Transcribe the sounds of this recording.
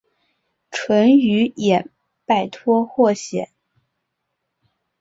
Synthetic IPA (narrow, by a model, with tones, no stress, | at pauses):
ʈ͡ʂʰwə˧˥ny˧˥jɛ˨˩n | pa˥˩ɪt̪ʰwɔ˥xwɔ˥˩ɕjɛ̰˨˩˦n